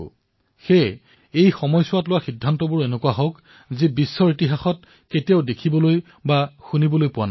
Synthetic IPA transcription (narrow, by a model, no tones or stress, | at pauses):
xe | ejxɔmɔjsʊwatlʊwaxidʱːantɔbʊɹenʊkuwaɦɔk | zebisːɔɹitiɦaxɔt̚ | ketijaʊdekʰibɔloj | baxunibɔlojpʊwa̰n